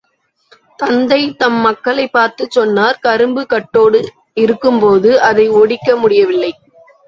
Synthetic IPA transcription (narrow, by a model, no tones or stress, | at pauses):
t̪ɐnd̪ɐɪt̪ɐmːɐkːɐɭɐɪpːaːɾt̪ɯt͡ʃːɔnːaːɾkɐɾɯmbɯkɐʈːoːɽɯ | ɪɾɯkːɯmpoːðɯʔɐðɐɪɔɽɪkːɐmʊɽɪjɐʋɪlːɐɪ